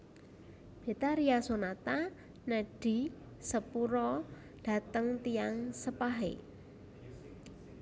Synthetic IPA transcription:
b̥e̤t̪aɾiasonat̪a | nəɖ̥i̤ | səpuɾɔ | ɖ̥a̤t̪əŋt̪ijaŋsəpaɦḛ

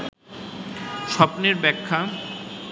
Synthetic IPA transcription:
ʃɔpneɾbɛkʰːa

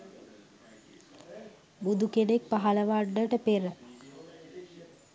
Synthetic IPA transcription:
bud̪ukeɖek̚paɦaləʋaɖːəʈəpeɾə

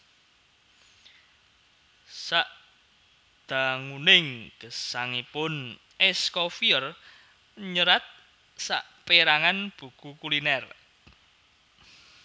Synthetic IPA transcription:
saʔ | d̪̥a̤ŋunɪŋɡ̥əsaŋipʊn | ɛskɔfiər | ɲəɾat̪̚ | sa̰ʔpeɾaŋanb̥ṳɡ̥ukulinɛr

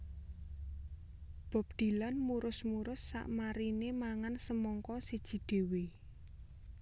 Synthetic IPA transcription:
b̥ɔ̤p̚d̪̥i̤lanmuɾʊsmuɾʊsːa̰ʔmaɾinemaŋansəmɔŋkɔsid̥ʒ̥i̤d̪̥e̤we

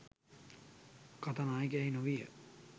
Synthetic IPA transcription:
kat̪anaːjik̬æɦinoʋijə̰

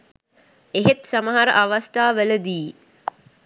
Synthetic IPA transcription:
eɦet̪saməɦaɾə̰ʔaʋast̪aːʋələd̪iː

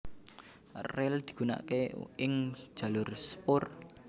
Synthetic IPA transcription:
rɛld̪̥i̤̥ɡ̥una̰keɪŋ̥d͡ʒ̥a̤lʊrsə̥pʊr

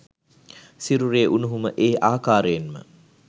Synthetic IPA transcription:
siɾuɾeːʔunuɦuməʔeːʔaːkaːɾəjenmə̰

